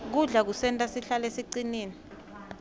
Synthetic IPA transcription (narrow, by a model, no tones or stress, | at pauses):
k̬uɮak̬usɛntʼasiɬalesiǀiniːni